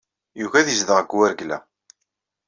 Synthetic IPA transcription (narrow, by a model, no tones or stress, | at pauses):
juʝæðizðəʁəɡwæɾɡlæ̰